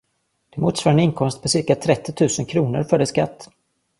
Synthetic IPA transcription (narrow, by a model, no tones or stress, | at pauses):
d̪̥ɛmuːt̪svaːɾənɪŋkʰɔmst̪̚pʰɔsɪɾkat̪ʰɾɛt̪ːɪt̪ʰʉ̟ːsənkʰɾuːnə̰ɾfœɖɛska̰t̪ː